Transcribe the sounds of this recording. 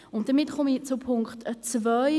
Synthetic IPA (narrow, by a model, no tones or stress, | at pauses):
ʊnt̚d̥əmɪtχɔmit͡sʊpʰʊŋktət͡svœɪ